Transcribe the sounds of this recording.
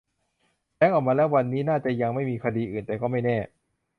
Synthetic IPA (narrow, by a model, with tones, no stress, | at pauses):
lɛː˦˥˩ŋʔɔː˨˩k̚maː˧lɛː˦˥wa˧nːiː˦˥naː˥˩t͡ɕa˨˩ja˧ŋma˥˩jmiː˧kʰa˧diː˧ʔɯː˨˩nt̪ɛː˨˩kɔː˥˩ma˥˩jnɛː˥˩